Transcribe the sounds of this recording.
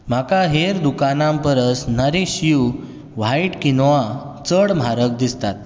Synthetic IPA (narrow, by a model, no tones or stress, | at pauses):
m̤akaɦeɾd̪ukanãmpəɾəsnəɾeɕiju | ʋ̤aiʈkinɔʋa | t͡səɽm̤ʱaɾək̚d̪ist̪at̪̚